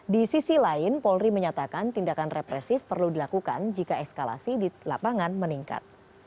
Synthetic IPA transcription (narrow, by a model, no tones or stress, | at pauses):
disisilaɪnpɔlriməɲat̪akant̪indakanrɛpɾɛsɪfpərludilakuka̰nd͡ʒikaɛkskala̰sidila̰paŋanməniŋka̰t̪̚